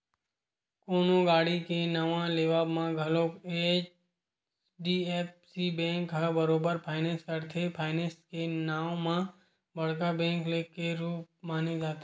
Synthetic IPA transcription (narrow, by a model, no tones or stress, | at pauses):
koːnõɡaːɽikenəʋãleːʋaːbmãɡʱəloːkeːt͡ʃ | ɖiːeːpsibɛ̃ːŋkɦabəɾoːbəɾpʰaːɪnẽːskəɾt̪ʰepʰaːɪnẽːskenaːwmã | bəɽkabɛ̃ːŋkleːkeɾuːp̚maːned͡ʒaːt̪ʰeː